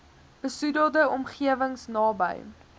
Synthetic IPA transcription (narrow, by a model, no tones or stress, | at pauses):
b̥əsudiəlˠdəɔmχiəvəŋsnɑːbə̰j